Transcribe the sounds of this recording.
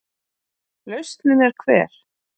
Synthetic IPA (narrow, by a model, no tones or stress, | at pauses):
lœɥst̪nɪnɛɾ̥kʰvɛ̰ːɾ̥